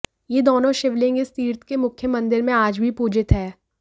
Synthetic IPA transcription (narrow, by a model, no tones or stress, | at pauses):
jed̪oːnõʃɪʋlɪ̃ŋɡest̪iːɾt̪ʰkemʊkʰjəmɐ̃nd̪ɪɾmẽaːd͡ʒbʱipuːd͡ʒɪt̪ɦɛː